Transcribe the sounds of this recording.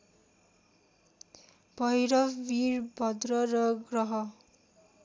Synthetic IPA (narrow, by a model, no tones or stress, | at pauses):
b̥ʱʌjɾʌwirbʱʌd̪rʌrʌɡrʌɦʌ